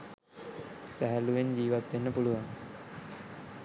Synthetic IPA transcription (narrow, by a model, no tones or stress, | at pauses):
sæɦæluʋeɲd͡ʑiːʋat̪ʋenːəpuluʋaŋ